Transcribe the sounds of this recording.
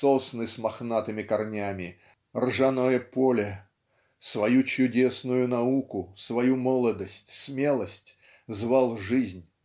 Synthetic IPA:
sosnɨsʲmɐxnat̪ɨmʲɪkɐrnʲamʲɪ | rʐɐnojəpolʲɪ | svɐjut͡ɕʊdʲesnʊjʊnɐukʊsvɐjumolˠəd̪əsʲtʲsmʲe̞lˠəsʲtʲ | zvalˠʐɨzʲnʲ

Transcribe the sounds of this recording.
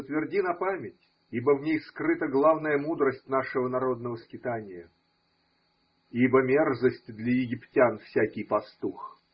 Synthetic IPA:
ət̪vʲɪrdʲinɐpamʲɪtʲ | ibəvnʲejskɾɨt̪əɡlˠavnəjəmud̪ɾəsʲtʲnaʂɨvənɐɾo̞d̪nəvəskʲɪt̪anʲɪjə | ibəmʲerzəsʲtʲd̪lʲəjɪɡʲɪptʲanfsʲækʲɪjpɐst̪ux

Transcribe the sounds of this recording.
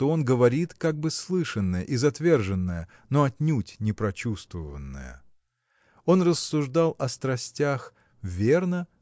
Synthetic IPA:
t̪oo̞nɡəvɐɾʲit̪kaɡ̚bɨslˠɨʂənːəjə̰ʔizɐt̪vʲe̞rʐɨnːəjə | noɐtʲnʲutʲnʲɪpɾɐt͡ɕust̪vəvənːə̰jə̰ | o̞nrəsːʊʐd̪alˠɐst̪ɾɐsʲtʲax | vʲernə

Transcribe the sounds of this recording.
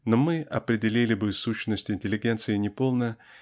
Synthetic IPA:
nomɨɐpɾʲɪdʲɪlʲilʲɪbɨsuɕnəsʲtʲɪnʲtʲɪlʲɪɡʲe̞nt̪sɨɪnʲɪpo̞lˠnə

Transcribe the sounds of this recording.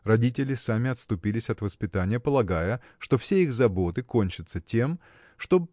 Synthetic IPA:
rɐdʲitʲɪlʲɪsamʲɪɐt̪st̪ʊpʲilʲɪsʲɐt̪vəspʲɪt̪anʲɪjəpəlˠɐɡajə | ʂt̪o̞fsʲeixzɐbo̞t̪ɨko̞nʲt͡ɕɪt̪sətʲe̞m | ʂt̪o̞

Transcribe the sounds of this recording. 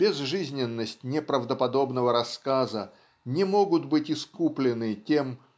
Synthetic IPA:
b̥ʲɪzʐɨzʲnʲɪnːəsʲtʲnʲɪpɾəvd̪əpɐd̪o̞bnəvəɾɐskazə | nʲɪmo̞ɡʊt̪bɨtʲɪskuplʲɪnɨtʲe̞m

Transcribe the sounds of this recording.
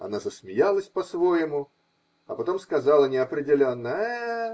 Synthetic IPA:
ɐ̰nazəsmʲɪjalˠəsʲpɐsvo̞jɪmʊ | ɐpɐt̪o̞mskɐzɑlˠənʲɪɐpɾʲɪdʲɪlʲo̞nːə

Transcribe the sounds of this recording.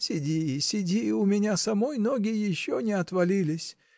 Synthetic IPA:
sʲɪdʲiːsʲɪdʲiʊmʲɪnʲasɐmojnoɡʲɪjɪɕːonʲɪɐt̪vɐlʲilʲɪsʲ

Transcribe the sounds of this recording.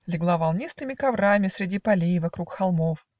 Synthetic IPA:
lʲɪɡlˠavɐlˠnʲist̪ɨmʲɪkɐvɾamʲɪsɾʲɪdʲipɐlʲijvɐkɾukxɐlˠmof

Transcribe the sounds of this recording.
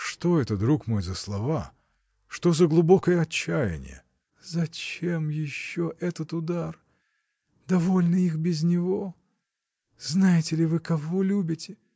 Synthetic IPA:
ʂt̪o̞ɛt̪əd̪ɾukmo̞jzəslˠɐva | ʂt̪o̞zəɡlˠʊbo̞kəjəɐt͡ɕːæjɪ̰nʲɪ̰jə̰ | zɐt͡ɕemjɪɕːo̞ʔɛt̪ət̪ʊd̪ar | d̪ɐvo̞lʲnɨixbʲɪzʲnʲɪvo̞ | znajɪtʲɪlʲɪvɨkɐvo̞lʲubʲɪtʲɪ

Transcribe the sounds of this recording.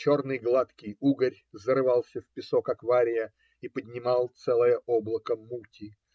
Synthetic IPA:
t͡ɕo̞rnɨjɡlˠat̪kʲɪjuɡəɾʲzəɾɨvɑlˠsʲəfpʲɪsokakvaɾʲɪjə | ipədʲnʲɪmɑlˠt̪sɛlˠəjəʔoblˠəkəmːutʲɪ

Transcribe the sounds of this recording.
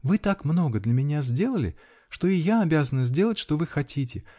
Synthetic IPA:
vɨt̪akmno̞ɡəd̪lʲəmʲɪnʲazʲdʲe̞lˠəlʲɪ̰ | ʂt̪o̞ɪjaɐbʲazənɨzʲdʲe̞lˠətʲʂt̪o̞vɨxɐtʲitʲɪ

